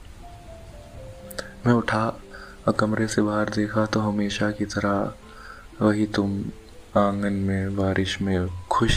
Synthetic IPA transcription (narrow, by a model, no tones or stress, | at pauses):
mɛ̃ʊʈʰa | ɐkɐmɾesebaːɦəɾd̪eːkʰat̪oɦɐmeːʃakit̪ɐɾa | ʋɐɦit̪ʊm | ãːŋɡənmẽʋaːɾʔɪʃmẽkʰʊʃ